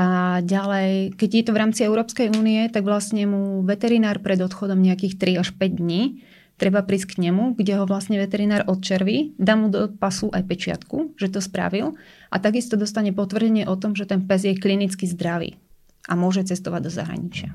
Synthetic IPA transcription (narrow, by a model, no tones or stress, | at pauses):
aɟalɛjkɛɟjɛt̪ɔʋɾaːmt͡siɛʊɾɔːpskɛjuːniɛt̪aɡʋlasɲɛmuʋɛt̪ɛɾinaːɾpɾɛd̪ɔt̪xɔd̪ɔmɲɛakiːxt̪ɾiaʃpɛɟd̪ɲiː | t̪ɾɛbapɾiːsckɲɛmuɡɟɛɦɔʋlasɲɛʋɛt̪ɛɾinaːɾʔɔt̪̚t͡ʃɛɾʋid̪aːmud̪ɔpasuʔajpɛt͡ʃɪa̰t̪kuʒɛt̪ɔspɾa̰ʋil | ʔa̰t̪aɡist̪ɔd̪ɔst̪aɲɛpɔt̪ʋr̩ɟɛɲɪɛʔɔt̪ɔmʒɛt̪ɛnpɛzjɛklinit͡skizd̪ɾaʋḭː | ʔamʊɔʒɛt͡sɛst̪ɔʋaɟ̚d̪ɔza̰ɦɾa̰ɲit͡ʃɪa̰